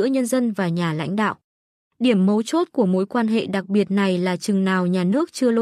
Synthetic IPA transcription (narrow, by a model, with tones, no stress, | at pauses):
əɲə˧nzə˧nvaː˨˩ɲaː˨˩la̰˧˥jŋ̟ɗa̰ː˧˨wʔ | ɗi˧˩əmːə˨˦wt͡ɕo˦˥t̚ku˧˩əmo̰˨˦jkwaː˧nɦḛ˧˨ɗa˨˩k̚ɓi˨˩ət̚na˨˩jlaː˨˩t͡ɕɨ˨˩ŋnaː˨˩wɲaː˨˩nɨ˦˥ək̚t͡ɕɨ˧əlo˧